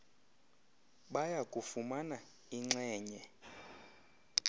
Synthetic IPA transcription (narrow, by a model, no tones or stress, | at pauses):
ɓajakʼufumana | iŋ͡ǁɛːɲɛ